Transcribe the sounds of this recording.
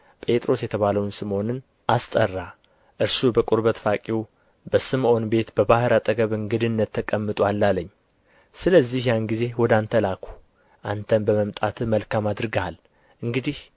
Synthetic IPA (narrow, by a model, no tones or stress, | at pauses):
pʼe̞t̪ʼɾo̞sjɛt̪ʰəβaləwnsɨmo̞nɨn | ʔast̪ʼərːa | ʔɨɾsubəkʼuɾbət̪fakʼiw | bəsɨmʔo̞nbe̞t̪bəbahɨɾat̪ʼəɡəβɨŋɡɨd̪ɨnːət̪ʰːəkʼəmːɨt̪ʼwalːalːəɲː | sɨləzːihjanɡize̞wɔd̪ant̪ʰəlakʰu̥ | ʔant̪ʰənbəməmt̪ʼat̪ʰɨməlkʰamad̪ɾɨɡal | ʔɨŋɡɨd̪ih